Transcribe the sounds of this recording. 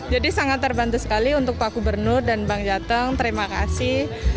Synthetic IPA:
d͡ʒadisaŋat̪ːərbant̪usə̥kaliunt̪ʊk̚paɡubərnʊrdanbaŋd͡ʒat̪əŋt̪əɾimakasɪh

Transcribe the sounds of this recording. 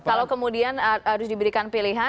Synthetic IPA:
kalakəmudianɦaɾʊsdibəɾikanpiliɦa

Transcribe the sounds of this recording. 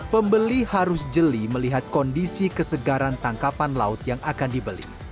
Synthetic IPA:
pəmbəlihaɾʊsd͡ʒəliməliɦat̪̚kɔndisikəsəɡaɾant̪aŋkapanla̰ʊt̪̚jaŋakandibəlḭ

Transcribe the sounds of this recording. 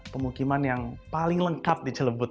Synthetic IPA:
pəmukimanjaŋpalɪŋləŋkap̚did͡ʒələbʊt̪

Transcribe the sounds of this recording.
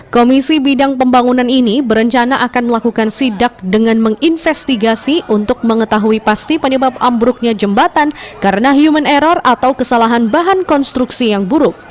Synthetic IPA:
komisibidaŋpəmbaŋunaninibəɾəɲt͡ʃanaʔakanməlakukansidak̚dəŋanməŋinfɛst̪iɡasiʔunt̪ʊk̚məŋət̪aɦuipast̪ipəɲəbap̚ambɾʊk̚ɲad͡ʒəmbat̪ankaɾənaɦjumənɛɾɔrat̪awkəsalaɦanbaɦankɔnst̪ɾuksijaŋbuɾʊk̚

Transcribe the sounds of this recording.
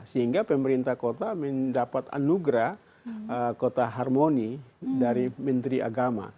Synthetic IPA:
səɦiŋɡapəməɾint̪akot̪aməndapat̪a̰nuɡɾah | kot̪aɦarmonidaɾimənt̪ɾiʔa̰ɡama̰

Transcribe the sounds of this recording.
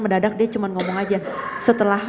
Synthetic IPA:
məndadak̚diat͡ʃumanŋɔmɔŋad͡ʒa | sət̪əlah

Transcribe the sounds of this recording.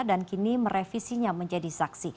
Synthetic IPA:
dankinimərefisiɲaməɲd͡ʒadisaksi

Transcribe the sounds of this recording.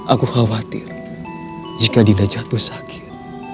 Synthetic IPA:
ʔakuxawat̪ɪ̰r | d͡ʒikadinad͡ʒat̪usakʰi̥r

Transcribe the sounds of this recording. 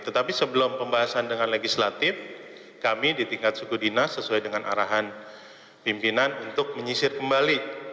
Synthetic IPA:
t̪ət̪apisəbəlʊmpəmbaɦasandəŋanleɡislat̪ɪf | kamidit̪iŋkat̪̚sukudinasːəsuajdəŋanʔa̰ɾaɦan | pimpinanunt̪ʊk̚məɲisɪrkəmbali

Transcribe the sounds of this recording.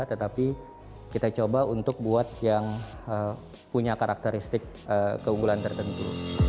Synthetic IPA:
t̪ət̪api | kit̪at͡ʃobaunt̪ʊk̚buat̪̚jaŋə | puɲakaɾʔak̚t̪əɾist̪ɪk̚ | əkəuŋɡulant̪ərt̪ənt̪ṵ

